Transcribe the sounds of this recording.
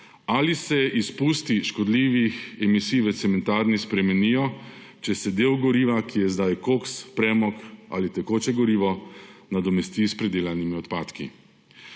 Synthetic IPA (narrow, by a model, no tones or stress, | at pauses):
alisɛʔispust̪iʃkɔd̪liːʋixɛmisiːjʋɛt̪sɛmɛnt̪aːɾnispɾɛmɛniːjɔ | t͡ʃɛsɛd̪eːwɡɔɾiːʋakijɛzd̪ajkokspɾɛːmɔka̰lit̪ɛkoːt͡ʃɛɡɔɾiːʋɔnad̪ɔmɛst̪iːspɾɛd̪eːlanimiɔt̪paːt̪kḭ